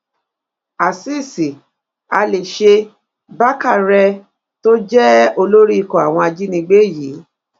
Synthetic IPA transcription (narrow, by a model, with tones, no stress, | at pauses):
a˨si˦˨si˨ | a˧le˨ʃe˧ | ba˦ka˦˨ɾɛ˧ | to˦d͡ʒɛ˦o˧lo˦ɾi˦i˧˨kɔ̃˨a̰˨w̃ɔ̃˧a˧d͡ʒi˦nĩ˧ɡ͡be˦˨ji˨˦